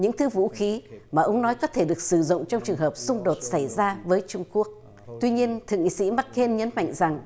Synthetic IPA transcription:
ɲɨ̰˧˥ŋt̪ʰɨ˨˦vṵ˧˥xi˨˦maː˨˩ʔə˧wŋ͡mnɔ˨˦jkɔ˨˦t̪ʰe˧˩ɗɨ˨˩ək̚sɨ˧˩zʊ̰˧˨ŋ͡mt͡ɕɔ˧wŋ͡mt͡ɕɨ˨˩əŋhəː˨˩p̚sʊ˧ŋ͡mɗo˨˩t̚sa˧˩jzaː˧vəː˨˦jt͡ɕʊ˧ŋ͡mku˦˥ək̚ | t̪wi˧ɲi˧ənt̪ʰɨ̰˨əŋḭ˧˨sḭ˧˥ma˦˥t̚ke˧nɲə˨˦nma̰˧˨jŋ̟za˨˩ŋ

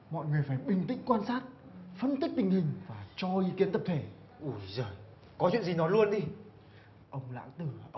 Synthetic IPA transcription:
mɔ̰˧˨jŋɨ˨˩əjfaː˧˩jɓï˨˩ŋ̟t̪ḭ˧˥ŋ̟kwaː˧nsaː˦˥t̚fə˧nt̪i˦˥k̚t̪ï˨˩ŋ̟hï˨˩ŋ̟vaː˨˩t͡ɕɔ˧ʔi˨˦ki˨˦ənt̪ə˨˩p̚t̪ʰe˧˩ | ʔu˧˩zəː˨˩j | kɔ˨˦t͡ɕw̰nzi˨˩nɔ˨˦lu˧ənɗi˧ | ʔə˧wŋ͡mla̰ː˧˥ŋt̪ɨ˧˩˧

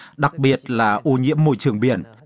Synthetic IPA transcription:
ɗa˨˩k̚ɓi˨˩ət̚laː˨˩ʔu˧ɲḭ˧˥əmːo̰˧˨jt͡ɕɨ˨˩əŋɓi˧˩ən

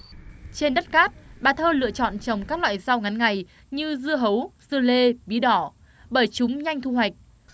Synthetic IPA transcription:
t͡ɕe˧nɗə˦˥t̚kaː˦˥t̚ɓaː˨˩t̪ʰəː˧lɨ̰˧˨ət͡ɕɔ̰˧˨nt͡ɕə˨˩wŋ͡mkaː˦˥k̚lwa̰ː˧˨jza˧wŋa˨˦nŋa˨˩j | ɲɨ˧zɨ˧əɦə˨˦wzɨ˧əle˧ɓi˨˦ɗɔ˧˩ | ɓəː˧˩jt͡ɕʊ˨˦ŋ͡mɲa˧jŋ̟t̪ʰu˧ɦwa˨˩jk̟̚

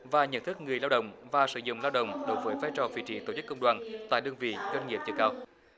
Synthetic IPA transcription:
vaː˨˩ɲə̰˧˨nt̪ʰɨ˦˥k̚ŋɨ˨˩əjlaː˧wɗə̰˧˨wŋ͡mvaː˨˩sɨ̰˧˩zʊ̰˧˨ŋ͡mlaː˧wɗə̰˧˨wŋ͡mɗo˨˦jvəː˨˦jvaː˨˦jt͡ɕɔ˨˩vḭ˧˨t͡ɕḭ˧˩t̪o˨˧˩t͡ɕɨ˦˥kːə˧wŋ͡mɗwaː˨˩nt̪a̰ː˧˨jɗɨ˧əŋvḭ˧˨zwə˧nŋi˨˩əp̚t͡ɕɨ˨˧˩ŋkaː˧w

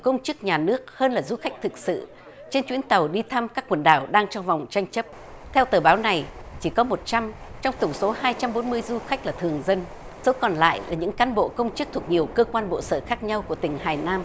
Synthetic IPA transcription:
kə˧wŋ͡mt͡ɕɨ˦˥k̚ɲaː˨˩nɨ˦˥ək̚həː˧nlaː˨˩zu˧xa˦˥jk̚t̪ʰɨ˨˩k̚sɨ̰˧˨ | t͡ɕe˧nt͡ɕwi˨˦ənt̪ə˨˩wɗi˧t̪ʰa˧mkaː˦˥kːwə˨˩nɗaː˧˩wɗaː˧ŋt͡ɕɔ˧wŋ͡mva˨˩wŋ͡mt͡ɕa˧jŋ̟t͡ɕə˦˥p̚ | t̪ʰɛ˧wt̪əː˨˩ɓaː˨˦wna˨˩jt͡ɕi˧˩kɔ˨˦mo˨˩t̚t͡ɕa˧mt͡ɕɔ˧wŋ͡mt̪ʊ˧˩ŋ͡mso˨˦haː˧jt͡ɕa˧mɓo˨˦nmɨ˧əjzu˧xa˦˥k̟̚laː˨˩t̪ʰɨ˨˩əŋzə˧n | so˨˦kɔ˨˩nla̰ː˧˨jlaː˨˩ɲɨ̰˧˥ŋkaː˨˦nɓo̰˧˨kə˧wŋ͡mt͡ɕɨ˦˥k̚t̪ʰu˨˩ək̚ɲi˨˩əwkəː˧kwaː˧nɓo̰˧˨səː˧˩xaː˦˥k̚ɲa˧wku˧˩ət̪ï˨˩ŋ̟ɦaː˨˩jnaː˧m

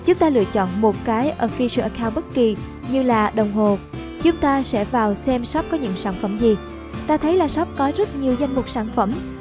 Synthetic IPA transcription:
t͡ɕʊ˨˦ŋ͡mt̪aː˧lɨ̰˧˨ət͡ɕɔ̰˧˨nmo˨˩t̚kaː˨˦jʔəː˧˩fi˧sɨ̰˧˩ʔkʰaː˧wɓə˦˥t̚ki˨˩ | ɲɨ˧laː˨˩ɗə˨˩wŋ͡mho˨˩ | t͡ɕʊ˨˦ŋ͡mt̪aː˧sɛ̰˧˥vaː˨˩wsɛ˧msɔ˦˥p̚kɔ˨˦ɲɨ̰˧˥ŋsaː˧˩nfə˧˩mzi˨˩ | t̪aː˧t̪ʰə˨˦jlaː˨˩sɔ˦˥p̚kɔ˨˦zə˦˥t̚ɲi˨˩əwza˧jŋ̟mʊ˨˩k͡p̚saː˧˩nfə˧˩m

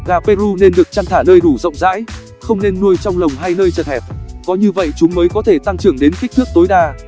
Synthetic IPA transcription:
ɣaː˨˩pe˧zu˧ne˧nɗɨ˨˩ək̚t͡ɕa˧ŋt̪ʰaː˧˩nəː˧jɗu˧˩zə̰˧˨wŋ͡mza̰ː˧˥j | xə˧wŋ͡mne˧nːu˧əjt͡ɕɔ˧wŋ͡mlə˨˩wŋ͡mɦaː˧jnəː˧jt͡ɕə˨˩t̚hɛ˨˩p̚kɔ˨˦ɲɨ˧və̰˧˨jt͡ɕʊ˨˦ŋ͡mməː˨˦jkɔ˨˦t̪ʰe˧˩t̪a˧ŋt͡ɕɨ˨˩əŋɗe˨˦nki˦˥k̚t̪ʰɨ˦˥k̚t̪o˨˦jɗaː˧

